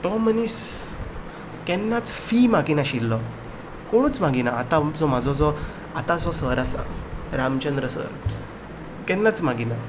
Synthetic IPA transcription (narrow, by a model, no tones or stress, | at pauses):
ʈ̪ɔmənis | kɛnːat͡sfimaɡinaɕilːɔ | koɽ̃uːt͡sm̤aɡinaːt̪ãd͡zɔmad͡zʱɔd͡zɔ | at̪ãd͡zɔsəɾasã̰ɾamt͡ɕənd̪ɾəsə̰ɾ | kɛnːat͡sm̤aɡina